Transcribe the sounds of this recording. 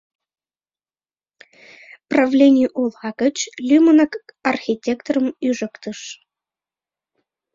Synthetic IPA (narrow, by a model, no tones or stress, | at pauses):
pravlʲenʲɪjuʔolˠʁɑkət͡ɕlʲymənəkarxʲitʲːekt̪orəmyʐə̆kt̪əʂ